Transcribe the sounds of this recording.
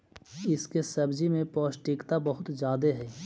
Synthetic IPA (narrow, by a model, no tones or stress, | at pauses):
ɪskesɐbd͡ʒimẽpɔːʃʈiːkt̪abɐɦʊt̪d͡ʒjaːd̪eɦɛː